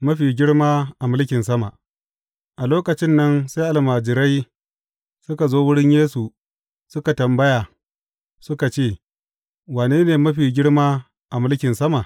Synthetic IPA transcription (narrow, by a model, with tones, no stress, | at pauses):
mɐ˦ɸiː˨ɡʲɪ˦ɽmaː˦ʔa˨mɪ˦lkʲɪ˨nsɐ˦ma˨ʔ | ʔa˨loː˦kɐ˨t͡ʃɪ˦nːɐ˦nsa˦jʔa˨lmaː˨d͡ʒɪ˨ɾa˦j | sʊ˦ka˨zoː˦wʊ˦ɽɪ˦ɲjeː˦su˨ | sʊ˦ka˨tɐ˨mbɐ˦jaː˨ | sʊ˦ka˨t͡ʃeː˦˨ | waː˨neː˦neː˨mɐ˦ɸiː˨ɡʲɪ˦ɽmaː˦ | ʔa˨mɪ˦lkʲɪ˨nsɐ˦ma˨ʔ